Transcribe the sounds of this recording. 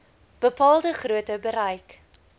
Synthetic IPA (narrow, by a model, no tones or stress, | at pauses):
b̥əpɑːlˠdəχruətəbəɾɐjk